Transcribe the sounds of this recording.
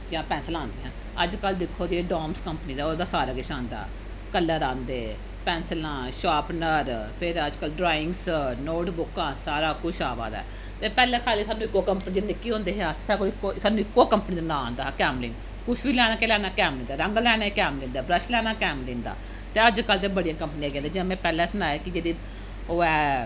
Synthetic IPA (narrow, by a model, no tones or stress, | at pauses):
jãːpɛ̃ːnsəlãːnd̪eːɦãː | əd͡ʒkəld̪ɪkʰːoːd̪ieːɖaːmskəmpniːd̪aːoːd̪aːsaːɾaːɡɪʃãːnd̪a̰ː | kəlːãːɾãːnd̪eː | pɛ̃ːnsəlãːʃaːpnəɾpʰɪɾəd͡ʒkəlɖɾaːɪ̃ŋɡsnoːʈbʊkːãːsaːɾaːkʊʃʰaːʋa̰ːd̪a̰ː | t̪eːpɛːlɛːkʰaːliːsaːnːũːɪkːoːkəmpəniːnɪkːiːɦõːnd̪eːɦeassaːkoɪkːoːsaːnːũɪkːoːkəmpəniːd̪aːnãːõːnd̪aːkɛːmlɪŋ | kʊʃʋiːlɛːnaːkeːlɛːnaːkɛːmlĩːnd̪aːɾəŋɡlɛːnaːkɛːmlɪ̃ːnd̪aːbɾəʃlɛːnaːkɛːmlɪ̃ːnd̪a̰ː | t̪eːəd͡ʒkəlt̪eːbəɽijãːkəmpəniːãːkɛ̃ːnd̪aːd͡ʒɪãːmɛ̃ːpɛːlɛ̃ːsənaːjeːkɪd͡ʒeːd̪iː | oːɛː